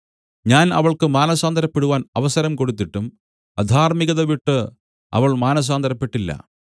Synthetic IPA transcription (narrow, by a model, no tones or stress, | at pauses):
ɲaːnɐ̰ʋɐɭkɨmaːnɐsaːnd̪ʱɐɾɐpːeɽuʋaːnɐʋɐsɐɾɐmkoɽut̪ːiʈːum | ɐd̪ʱaːrmiɣɐðɐʋiʈːɨ | ɐ̰ʋɐɭmaːnɐs̬aːnd̪ɐɾɐpːe̞ʈːilːɐ̰